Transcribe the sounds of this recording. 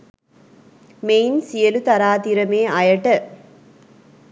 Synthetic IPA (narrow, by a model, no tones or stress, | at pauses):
mejnsɪjɐlut̪ɐɾaːt̪iɾɐmeːʔɐjɐʈːɐ